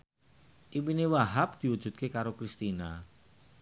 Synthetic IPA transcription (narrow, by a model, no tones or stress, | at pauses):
ʔiwinewaɦap̚d̪̥i̤wud̥ʒ̥ṳt̪̚kekaɾokɾist̪ina